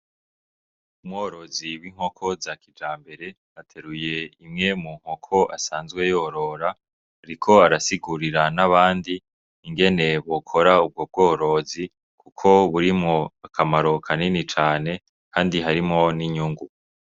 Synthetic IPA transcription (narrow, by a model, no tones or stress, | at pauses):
umŋoːɾo̞ziwiŋ̥ho̞kʰo̞zakid͡ʒaːmbe̞ɾe̞ | atʰe̞ɾuje̞imŋe̞muŋ̥ho̞kʰo̞ʔasaːnzɡwe̞joːɾo̞ɾaː | ɾikʰo̞aɾasiɡuɾiɾanaβaːndiː | ŋɡe̞ne̞βo̞kʰo̞ɾaub̚ɡo̞b̚ɡoːɾo̞zi | kʰukʰo̞βuɾimŋo̞akʰamaɾo̞kʰaninit͡ʃaːne̞ | kʰaːndiɦaɾimŋo̞niɲuːŋɡu